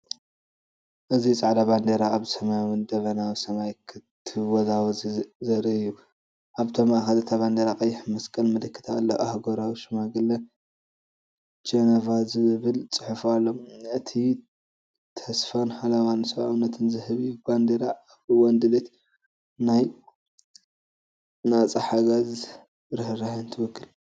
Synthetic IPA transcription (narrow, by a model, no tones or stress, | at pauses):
ʔɨzit͡sʼaʕd̪aband̪eɾaːβsɐmajwɨnd̪ɐβɐnaβsɐmajkʰɨt̪ʰːɨwɔzawzzɐɾɐɨjːu | ʔaβt̪ʰomaʔxɐlɨt̪ʰaβand̪eɾakʼɐjːɪħmɐskʼɐlmɨlɨkʰːɨ̥t̪ʰaʔlːoʔahɡoɾawʃɐmaɡɨlɐ | d͡ʒenavazɨβɨlt͡sʼɨħɨfalːomɨt̪ʰi | t̪ʰɐsfonħalawansɐβaʔawnːɐt̪ʰɨnzɨhɨβiband̪eɾa | ɨwɔnd̪ɨlet̪ | naj | nat͡sʼɐħaɡaz | ɾɨhɨɾahnt̪ʰɨwɔkʰːɨl